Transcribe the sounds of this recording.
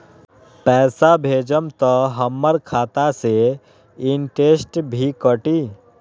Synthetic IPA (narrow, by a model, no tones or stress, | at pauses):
pɛːsabʱeːd͡ʒəmt̪əɦəmːəɾkʰaːt̪ase | ɪnʈeːsʈbʱikəʈiː